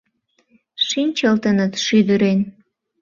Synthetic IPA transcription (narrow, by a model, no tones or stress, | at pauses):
ʃinʲt͡ɕəlt̪ənət̪ʃyd̪əɾen